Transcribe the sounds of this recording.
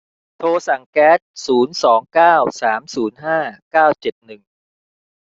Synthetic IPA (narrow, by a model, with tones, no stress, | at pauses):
t̪ʰoː˧sa˨˩ŋkɛː˦˥t̪̚suː˩˦nsɔː˩˦ŋkaː˥˩wsaː˩˦msuː˩˦nɦaː˥˩kaː˥˩wt͡ɕe˨˩t̪̚nɯ˨˩ŋ